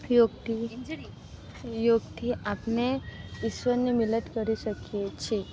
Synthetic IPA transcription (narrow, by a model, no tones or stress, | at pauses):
joɡt̪i | joɡt̪ʰiapneiɕʋənːimiləʈkəɾiɕəkijet͡ɕʰe